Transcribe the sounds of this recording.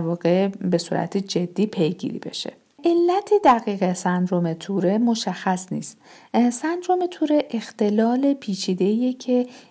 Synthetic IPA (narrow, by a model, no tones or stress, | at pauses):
ɾvɒːɣe̞be̞sṵːɾæ̰t̪ʰid͡ʒe̞d̪ːiːpʰe̞jɡḭːɾḭːbe̞̰ʃḛ | ʔelːæt̪ʰed̪æɣiːɣe̞sænd̪ɾomet̪ʰuɾe̞moʃæxːæsnḭːst̪ | sænd̪ɾomet̪ʰuɾeʔext̪e̞lɒːle̞pʰiːt͡ʃʰiːd̪e̞ijecʰe̞